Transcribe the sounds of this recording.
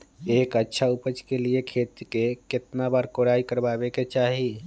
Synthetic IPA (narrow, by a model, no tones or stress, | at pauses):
ekətːʃʰaupət͡ʃkeliekʰet̪ikeket̪nabaɾkoɾaikəɾbabeket͡ʃaɦi